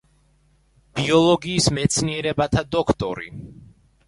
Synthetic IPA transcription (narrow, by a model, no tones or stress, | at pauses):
b̥iɔlˠɔɡiːsmɛt̪sʰniɛɾɛbat̪ʰad̪ɔkʰt̪ʼɔ̰ɾḭ